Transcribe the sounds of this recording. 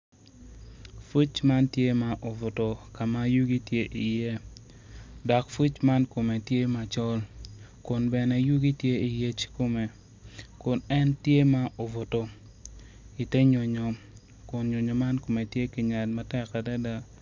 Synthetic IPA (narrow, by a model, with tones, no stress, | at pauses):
fu˦t͡ʃma˦ntje˦ma˦ʔo˨vʊ˨to˨ka˨ma˦ju˦ɡi˦tje˦ʔi˨je˦ | dɔ˨kfu˦t͡ʃma˦nko˨me˨tje˦ma˨t͡ʃɔ˦l | kʊ˨nbɛ˨nɛ˨ju˦ɡi˦tje˦i˨je˦t͡ʃko˦me˨ | kʊ˨nɛ˦ntje˦ma˦o˨vʊ˨to˨ | i˨tɛ˦ɲo˨ɲɔ˨ | kʊ˨nɲo˨ɲo˨ma˦nko˨me˨tje˦ki˨ɲa˨tma˦tɛ˦ka˨da˦da˦